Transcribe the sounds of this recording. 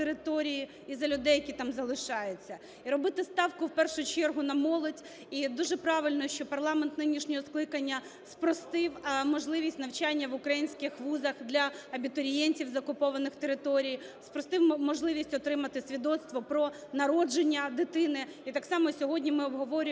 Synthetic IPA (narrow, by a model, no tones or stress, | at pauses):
t̪eɾɪt̪ɔɾʲiji | izɐlʲʊd̪ɛjɐkʲit̪ɑmzɐlˠɪʃɑjet͡sʲːɐ | iɾɔbɪt̪ɪst̪ɑwkʊwpɛrʃʊt͡ʃɛrɦʊnɐmɔlˠɔdʲ | id̪uʒɛpɾɑʋɪlʲnɔʃt͡ʃɔpɐrlˠɑment̪nɪnʲiʃnʲɔɦɔsklˠɪkɐnʲːɐ | spɾɔst̪ɪwmɔʒlˠɪʋʲisʲtʲnɐwt͡ʃɑnʲːɐʋʊkɾɐjinʲsʲkɪxʋuzɐxd̪lʲɐɐbʲit̪ɔɾʲijɛnʲtʲiwzɐkʊpɔʋɐnɪxt̪eɾɪt̪ɔɾʲijspɾɔst̪ɪwmɔʒlˠɪʋʲisʲtʲɔt̪ɾɪmɐt̪ɪsʲʋʲid̪ɔt̪st̪ʋɔpɾɔ | nɐɾɔd͡ʒenʲːɐd̪ɪt̪ɪnɪit̪ɑksɑmɔsʲɔɦɔdʲnʲimɪɔbɦɔʋɔɾʲʊ